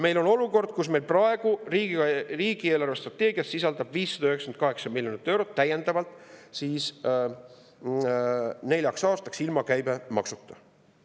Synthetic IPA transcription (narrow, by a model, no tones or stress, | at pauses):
me̞jlo̞no̞luko̞rd̪̥kusme̞jlprɑe̞ɡ̥uriːɡi̥riːɡ̥ie̞ːlɑrve̞st̪rɑt̪ːˑe̞ːɡ̥iɑssisɑld̪̥ɑb̥viːsːɑd̪ɑyhɦeksken̚kɑɦe̞ksɑmiljonit̪ːˑe̞wɾot̪ːæje̞nd̪̥ɑvɑlt̪ˑsiːs | ne̞lʲjɑksɑːst̪ɑksilmɑkæjbe̞mɑ̰ksut̪ːˑɑ̥